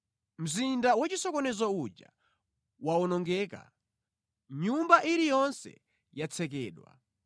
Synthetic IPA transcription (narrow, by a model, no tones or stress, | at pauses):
m̩zindawat͡ʃisɔkɔnɛzaut͡ʃa̰ | waɔnɔŋɡɛːka̰ | ɲumbaʔiɾijɔnsɛ̰ | jat͡sʰɛk̬ɛːɗwa̰